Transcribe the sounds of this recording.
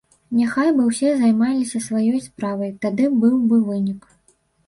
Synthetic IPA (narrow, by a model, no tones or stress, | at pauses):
nʲaxajbɨwsʲɛzajmalʲisʲɐsvajɔjspɾavɐjt̪ad̪ɨbɨwbɨvɨnʲik